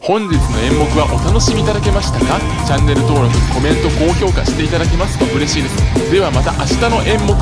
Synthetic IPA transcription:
hõ̞ɲd͡ʑit͡sɨno̞ẽ̞mːo̞kɯ̟βaʔo̞t̪ano̞ɕimʲiːt̪ad̪ake̞maɕi̥t̪aka | t͡ɕãnːe̞ɾɯ̟t̪o̞ːɾo̞kɯ̟ɲiko̞mẽ̞nt̪o̞ko̞ːço̞ːkaɕi̥t̪e̞it̪ad̪ake̞masɨ̥t̪oɯ̟ɾe̞ɕiːnd̪esɨ̥d̪e̞βamat̪aʔaɕi̥t̪ano̞ʔẽ̞mːo̞k

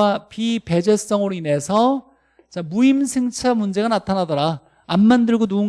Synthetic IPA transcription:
apipe̞d͡ʑes͈ʌŋɯɾoine̞sʰʌ | t͡ɕamuimsʰɯŋt͡ɕʰamund͡ʑe̞ɡanatʰanadʌɾaː | nmːandɯɭɡonuɯŋ

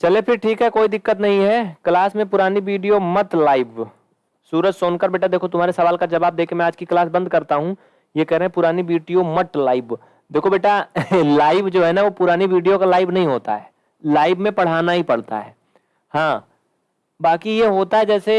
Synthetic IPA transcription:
t͡ʃɐlepʰɪɾʈʰiːkɦɛkoːid̪ɪkːət̪nɐɦĩɦɛklaːsmẽpʊɾaːniʋiːɖijomɐt̪laːɪb | suːɾət͡ʃsoːnkəɾbeːʈad̪eːkʰot̪ʊmɦaːɾesɐʋaːlkad͡ʒɐbaːb̚d̪eːkʰẽmɛ̃aːd͡ʒkiklaːsbɐ̃nd̪kɐɾt̪aɦũ | jekɛːɦɾeɦɛ̃pʊɾaːniʋiːɖijomɐt̪laːɪb | d̪eːkʰobeːʈalaːɪbd͡ʒoːɦɛːnaʋopʊɾaːniʋiːɖijokalaːɪbnɐɦĩɦoːt̪a̰ɦɛː | laːɪbmẽpɐɽ̤aːnaɦipɐɽ̤t̪a̰ɦɛ̰ː | hãː | baːkijeɦoːt̪aɦɛd͡ʒɛːse

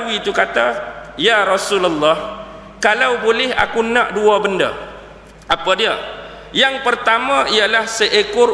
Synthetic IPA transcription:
uit̪ukat̪ajaɾɔsuləlːɔh | kalawbolɛɦa̰kunãʔduabənda̰ | ʔapadia | jaŋpərt̪amãialahsəʔekʊ

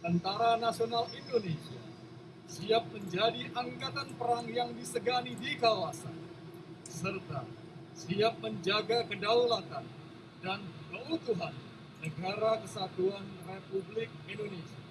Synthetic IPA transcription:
t̪ənt̪aɾanasionalindonesia̰ | siap̚məɲd͡ʒadiʔaŋkat̪anpəɾaŋjaŋdisəɡanidikawasa̰n | səsərt̪a | siap̚məɲd͡ʒaɡakədawlat̪an | dankəut̪uɦanː | əɡaɾakəsat̪uanrepublɪk̚indonesia

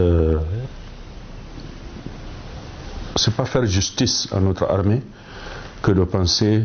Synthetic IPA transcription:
ə | sɛpafɛɾʒyst̪isã̰not̪ɾa̰rme | kəd̪əpãse

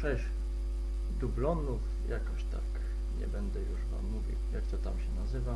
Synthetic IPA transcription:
ʂɛʑ | d̪ublɔnuf | jakɔɕt̪ak | ɲɛ̰bɛnd̪ɛjuʂpa̰mːuvʲḭwjakt̪ɔt̪amɕɛnazɘva

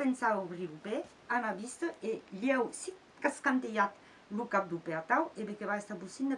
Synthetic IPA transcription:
pensaoβɾilupe | anaβist̪əʔeljɛwsi | kaskant̪ejat̪ | lukap̚d̪upeat̪aweβekeβaest̪abusind̪e

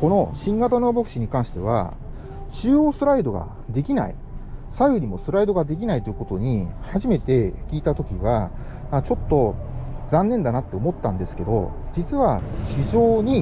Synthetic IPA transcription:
ko̞no̞ɕĩŋɡat̪ano̞ːbo̞kɯ̟ɕiɲ̟ikãɰ̃ɕi̥t̪e̞β̞a̰ | ɕɨːo̞ːsɨɾaid̪o̞ɡa̰ | d̪e̞kʲina̰ḭ | saiɯ̟ɾʲimo̞sɨɾaid̪o̞ɡad̪e̞k̬ʲinait̪ojɯko̞t̪o̞ɲ̟ihaʑime̞t̪e̞kʲiːt̪at̪o̞kʲiβa | at͡ɕo̞t̪ːo̞d͡zãnːẽ̞nd̪anat̪ːeo̞mo̞t̪ːãnd̪e̞sɨ̥ke̞d̪o̞̰d͡ʑit͡sɨβaçiʑo̞ːɲ̟i

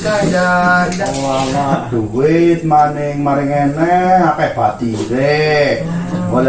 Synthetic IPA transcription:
kad͡ʒadawalad̪̥uwɪt̪̚manɪŋmaɾɪŋɛnɛapɛhb̥a̤t̪iɾe | wol

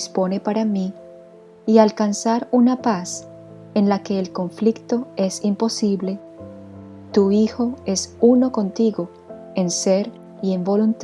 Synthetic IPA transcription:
spo̞ne̞paɾamiː | alkansaɾunapas | enlake̞ːlko̞ɱflikt̪o̞e̞simpo̞siβle̞ | t̪uixo̞e̞suno̞ko̞nt̪iɣo | e̞nseɾ | ie̞mbo̞lunt̪

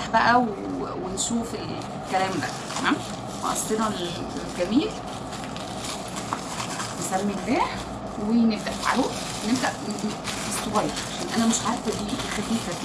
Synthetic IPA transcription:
ħbæʔæwewenʃuːfel | kælæːmd̪æ̰t̪æmæːm | mɑ̰ʔɑ̰sˤːeɾˤɑl | ɡæmiːl | nesæmːimbeːħ | weneb̚d̪æʔfʕa̰lo | neb̚d̪æʔ | esˤːoɣæjɑɾʕaʃænːʔænæmeʃʕaɾfbiːxæb̪iːfæ

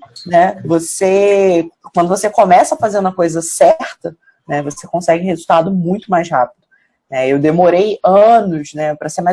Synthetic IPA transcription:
nɛvose | kwɐ̃nd̪ʊvosekomɛsɐɐfazeɾ̃d̪umɐkojzɐsɛɾt̪ɐ | nɛvosekõsɛɡɪ̃hezuwt̪ad̪ʊmũj̃t̪ʊmajshapid̪ʊ | nɛewd̪emoɾejɐ̃nʊsnɛpɾɐsema

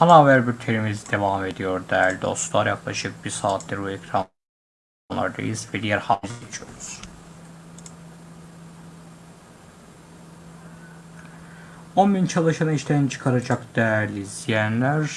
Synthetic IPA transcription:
hɑnavæɾbiɾt̪ʰeɾmizid̪evɑme̞d̪ijo̞ɾd̪æɾd̪io̰slˠaɾjɑklˠɑʃɯk̚b̥iɾsaːt̪̚ʰd̪iɾbuekʰɾɑ | nˠa̰ɾd̪ɯ̰ʔizvɛd̪ijæɾhɑmizet͡ʃʰoɾuz̥ | onbint͡ʃʰɑlˠɯʃɑnɯiʃt̪ʰænt͡ʃʰɯ̥kʰaɾad͡ʒɑkd̪̥æɾlizijænlæɾ

